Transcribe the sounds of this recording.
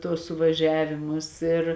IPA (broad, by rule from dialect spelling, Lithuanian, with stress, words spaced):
ˈtuɔs sʊʋɐˈʒʲæːʋʲɪmʊs ɪr